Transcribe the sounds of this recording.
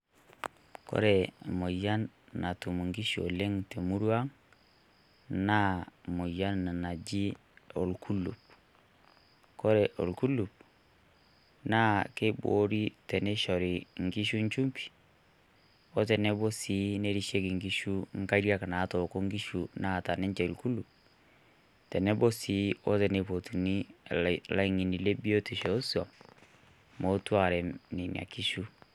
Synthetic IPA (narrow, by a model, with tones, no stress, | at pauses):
kɔ̰˦ɾɛ˨mo˨ja˦nː | a˨tu˨mu˨ŋɡi˦ʃo̰˨le˦ŋte˨mu˦ɾu˦a˦ŋ | na˦mo˨ja˦nːa˨na˨d͡ʒi˦ | o˨lkʰu˦lṵ˨p̚ | kɔ˦ɾɛ˨ʔo̰˨lku˦lu˨p̚ | na˦ke˦bo̰˨˦ɾi˦tɛ˨nɛ˦ʃɔ˨ɾi˨ŋ˨ɡi˦ʃu˦ɲ˦t͡ʃu˦mpi̥˨ | o˦t̬ɛ˨ne˦bo˦si˨˦ne˦ɾi˦ʃe˦ki˨ŋɡi˦ʃu˦ŋ̩˦ka˦i˦ɾja˦ka˨na˨˦to˨ko˦ŋɡi˦ʃu˨na˦˨ta˨ne˦ɲt͡ʃɛ˨lku˦lu˨p̚ | tɛ˨nɛ˦bo˦si˨˦o˦tɛ˨ne˨po˨tu˨ni˦˨ | la˨i˨ŋi˨ni˨le˦bi˦o˦te˨ʃo˨˦swa˨ | mo˨˦twa˨ɾɛ˨ni˨n̰˨a̰˨ki˦ʃu˦